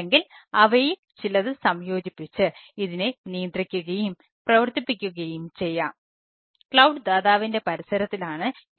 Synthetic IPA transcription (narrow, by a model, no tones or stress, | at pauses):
eŋɡilɐʋɐjumt͡ɕilɐðɨsɐmjo̞ːd͡ʑipːit͡ɕːɨiðinenijɐnd̪rikʲːuɣɐjum | prɐʋɐrt̪ipːikʲːuɣɐjumt͡ɕe̞jːaːm | kɭɐwɖɨd̪aːðaːʋinde̞pɐɾisɐɾɐt̪ːilaːɳɨ